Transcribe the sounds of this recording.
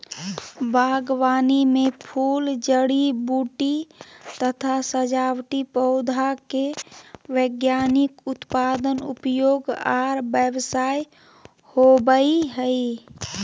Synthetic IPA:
bʱaɡwaːnimepʰuːld͡ʒəɽibuʈit̪ət̪ʰasəd͡ʒawʈipəʊd̪ʱakewəɡjanikʊt̪pad̪ənṵpjoɡaɾbəbsaj | hobəiɦəi

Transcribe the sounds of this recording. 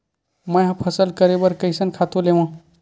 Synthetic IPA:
mə̃jɦãpʰəsəlkəɾebəɾkəɪsənkʰat̪oleʋã

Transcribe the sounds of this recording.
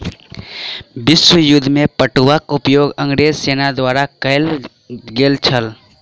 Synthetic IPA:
bɪswəjʊd̪ʱːmẽpəʈuʋakʊpjoːɡə̃ŋɡɾeːzseːnad̪waːɾakəɪl | ɡeːlt͡ʃʰəl

